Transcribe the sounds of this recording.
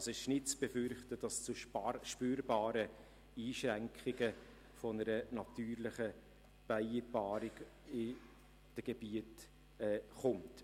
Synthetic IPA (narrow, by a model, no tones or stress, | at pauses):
ɑsɪʃnɪtt͡sb̥efʏɾχtəd̥ɑst͡sʊʃpyːɾbɑːɾə | iːʃrɛŋkχɪɡə | fɔnəɾənɑtyːɾlɪχə | b̥aɪbɑːɾɪɡ | ɪ | d̥əɡ̥ebiət | ɛːχʊmt